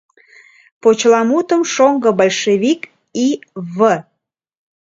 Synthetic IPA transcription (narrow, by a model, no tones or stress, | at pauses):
pot͡ɕlɑmut̪əmʃoŋɡə̆bɑlʲʃeβik | iβə